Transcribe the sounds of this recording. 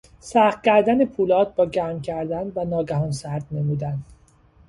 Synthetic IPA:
sæχt̪̚cʰæɾd̪ænepʰuːlɒːt̪̚bɒːɟæɾmcʰæɾd̪ænvænɒːɡæhɒnsæɾd̪ne̞muːd̪æn

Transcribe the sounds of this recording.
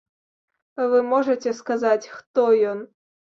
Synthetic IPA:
vɨmɔʐɐt͡sʲɛskazat͡sʲxt̪ɔjɔn

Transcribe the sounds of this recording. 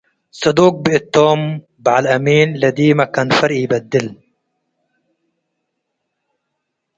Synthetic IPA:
sɑd̪uːk̚biʔɪt̪ːoːm | baʕalʔamiːnlad̪iːmakanfaɾʔijbad̪ːɪl

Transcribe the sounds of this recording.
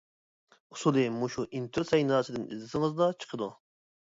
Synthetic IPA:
usulˠɨmuʃuʔint̪ʰuɾsɛjnɑːsɨd̪ɪnḭzd̪ɪsɨŋəzd̪ɑt͡ʃʰə̥qʰəd̪u

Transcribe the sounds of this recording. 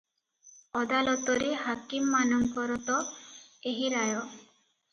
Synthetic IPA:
ɔd̪alɔt̪ɔɾihakimːanɔŋkɔɾɔt̪ɔeɦiɾajɔ

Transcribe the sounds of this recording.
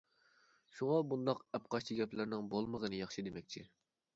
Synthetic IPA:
ʃuŋɑbund̪ɑqɛp̚qʰɑʃt͡ʃʰiɡʲɛplɪɾnɪŋbolˠməʁənɨjɑχʃid̪emɛk̚ʲt͡ʃʰi

